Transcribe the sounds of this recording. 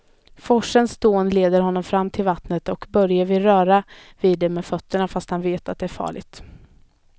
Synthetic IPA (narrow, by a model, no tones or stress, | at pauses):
fɔʂənsd̪oːənleːd̪əɾɦɔnːɔmfɾamːt̪ʰɪlvat̪nət̪ɔkbœɾjaɾvɪɾœːɾaviːd̪ːɛmɛːfœt̪ːəɳafast̪hanveːt̪at̪̚d̪ɛæɾfɑ̰ːɭɪ̰ɡt̪